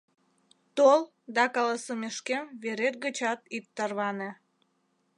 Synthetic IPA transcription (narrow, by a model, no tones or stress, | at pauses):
t̪ol | d̪ɑkɑlɑsəmeʃkemβeɾet̪̚ɡət͡ɕɑt̪itt̪ːərβɑne